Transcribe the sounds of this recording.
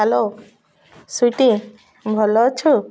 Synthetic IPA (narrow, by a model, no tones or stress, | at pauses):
alo | suʈi | bʱɔlɔt͡ʃʰu